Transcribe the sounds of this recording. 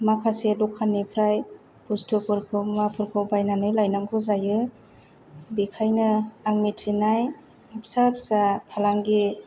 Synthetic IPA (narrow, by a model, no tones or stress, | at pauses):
makʰasedɔkʰːanipʰɾaj | pustʰɯpɯɾkʰɯmapʰɯɾkʰɯwbajnanɯjlajnaŋkʰɯzajɯ | bikʰajnɯaŋmitʰinaj | apsapsapʰalaŋɡi